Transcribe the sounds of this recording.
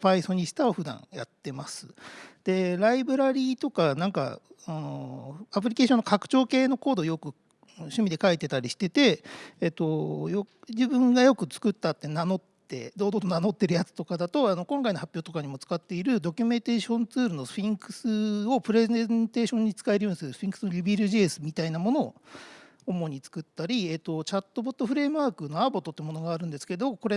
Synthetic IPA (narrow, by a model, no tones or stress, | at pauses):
paiso̞ɲ̟isɨ̥t̪aoɸɯ̟d̪ã̰ɰjat̪ːe̞masɨ̥̰d̪̥e̞ɾaibɯ̟ɾaɾʲiːt̪o̞kanãŋka̰anoap̬ɯ̟ɾʲike̞ːɕonːokakɯ̟̥t͡ɕo̞ːke̞ːno̞ko̞ːd̪o̞jo̞kɯ̟̃ | ɕɨmʲid̪e̞kait̪e̞t̪aɾʲiɕi̥t̪e̞t̪e̞ːt̪o̞jod͡ʑibɯ̟̃ŋɡajo̞kɯ̟t͡sɨ̥kɯt̪ːat̪ːe̞nano̞t̪ːe̞̰d̪o̞ːd̪ot̪onano̞t̪ːe̞ɾɯ̟jat͡sɨ̥t̪o̞kad̪at̪o̞ano̞kõ̞ŋkaino̞hapʲjo̞ːt̪o̞kaɲ̟imo̞t͡sɨ̥kat̪ːe̞iɾɯ̟d̪o̞kʲɨmẽ̞nt̪eːɕõ̞nt͡sɨːɾɯ̟no̞ɸʲĩŋkɯ̟̥sɨo̞pɯ̟ɾe̞zzẽnt̪e̞ːɕõ̞ɲ̟ːit͡sɨ̥kaeɾɯ̟jo̞ːɲisɨɾɯ̥ĩŋkɯ̟sɨnoɾʲibʲiɾɯ̟ʑiesɨmʲit̪ainamo̞no̞̰ː | omo̞ɲ̟it͡sɨ̥kɯ̟t̪ːaɾʲiet̪ːo̞t͡ɕat̪ːo̞bo̞t̪ːoɸɯ̟ɾe̞ːmɯ̟βaːkɯno̞abo̞t̪ːot̪ːɯmo̞no̞ɡaːɾɯ̟̃nd̪e̞sɨ̥ke̞d̪o̞ko̞ɾe